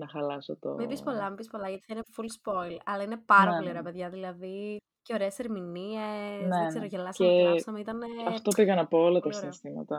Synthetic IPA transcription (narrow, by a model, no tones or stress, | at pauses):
nɐxɐlɐsot̪o̰mibispo̞lɐmibispo̞lɐʝɐt̪i̥θɐinefulspo̞ilɐlɐine̞pɐɾɐpolio̞ɾeɐpe̞ðʝɐðilɐði | ceo̞ɾeːseɾminiesneseɾoʝelɐsɐmesɐmeit̪ɐneɐft̪o̞piɣɐnɐpoolɐt̪ɐɾinst̪imɐ̰t̪ɐ